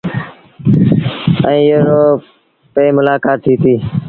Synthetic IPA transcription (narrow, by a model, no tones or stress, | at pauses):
ə̃ĩːeɾoː | peːmʊlaːkaːt̪ʰːiːt̪iː